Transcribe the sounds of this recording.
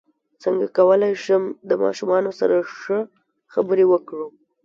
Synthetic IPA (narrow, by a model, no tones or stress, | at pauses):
t͡səŋɡa̰kawəlajʃəmd̪əmɑ̰ʃumɑnosa̰ɾaʂə | xabəɾewəkɽu